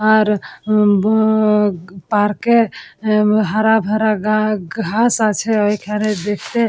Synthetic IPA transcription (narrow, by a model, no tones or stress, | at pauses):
aɾ | paɾke | ɦaɾabʱaɾaɡɡʱasat͡ʃʰɛəikʰaned̪ekʰt̪e